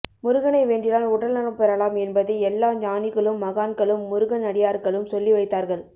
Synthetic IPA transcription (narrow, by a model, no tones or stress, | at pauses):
mʊɾɯɣɐnɐɪʋeːɳɖrɪnaːlʊɽɐlnɐnɐpɛɾɐlaːmɛnbɐðɐɪɛlːaːɲaːnɪɣɐɭɯmːɐɣaːnkɐɭɯmːʊɾɯɣɐnɐɽɪjaːɾɣɐɭɯmsɔlːiʋɐɪt̪ːaːɾɣɐɭ